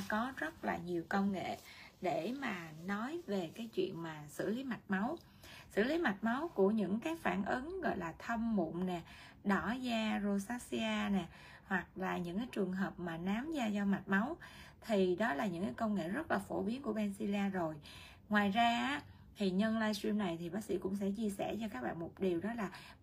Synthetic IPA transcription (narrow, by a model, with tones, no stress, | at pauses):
kɔ˨˦zə˦˥t̚la̰ː˨˩ɲi˨˩əwkə˧wŋḛ˧˨ɗe˧˩maː˨˩nɔ˨˦jve˨˩kaː˨˦jt͡ɕwḭ˧˨ənmaː˨˩sɨ̰˧˩li˨˦ma˨˩t̚ma˨˦w | sɨ̰˧˩li˨˦ma˨˩t̚ma˨˦wku˧˩əɲɨ̰˧˥ŋkaː˨˦jfaː˧˩nʔɨ˨˦ŋɣɔ̰˧˨jlaː˨˩t̪ʰə˧mːṵ˧˨ŋ͡mnɛ˨˩ | ɗɔ˧˩zaː˧zo˧saː˨˦˥si˧aː˧nɛ˨˩ | hwa˨˩k̚laː˨˩ɲɨ̰˧˥ŋkaː˨˦jt͡ɕɨ˨˩əŋɦəː˨˩p̚maː˨˩naː˨˦mzaː˧zɔ˧ma˨˩t̚ma˨˦wt̪ʰi˨˩ɗɔ˨˦laː˨˩ɲɨ̰˧˥ŋkaː˨˦kə˧wŋḛ˧˨zə˦˥t̚laː˨˩fo̰˧˩ɓi˨˦ənku˧˩əɓɛ˧nsi˧li˧aː˧zo˨˩j | ŋwaː˨˩jzaː˧ʔaː˨˦˥ | t̪ʰi˨˩ɲə˧nlaː˧jswi˧mna˨˩jt̪ʰi˨˩ɓaː˨˦k̚sḭ˧˥kʊ̰˧˥ŋ͡msɛ̰˧˥t͡ɕi˧əsɛ̰˧˩t͡ɕɔ˧kaː˦˥k̚ɓa̰ː˧˨nmo˨˩t̚ɗi˨˩əwɗɔ˨˦laː˨˩